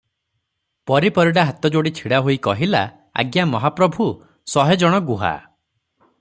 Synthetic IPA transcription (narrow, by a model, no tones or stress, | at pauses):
pɔɾipɔɾiɽaɦat̪ɔd͡ʒoɽit͡ʃʰiɽaɦojikɔɦila | a̰ɡjamɔɦapɾɔbʱu | sɔɦed͡ʒɔɽ̃ɔɡuɦa̰